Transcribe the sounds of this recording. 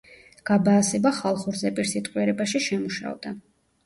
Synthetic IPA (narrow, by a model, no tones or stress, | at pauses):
ɡ̥abaːsɛbaχalˠχuɾzɛpʼiɾsit̪ʼqʼwiɛɾɛbaʃiʃɛmuʃa̰vd̪̥a